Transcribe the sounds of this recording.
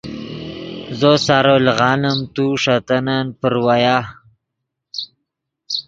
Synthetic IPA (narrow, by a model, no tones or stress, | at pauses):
zosaːɾolɣɑːnamt̪uʂat̪ananpəɾwajaː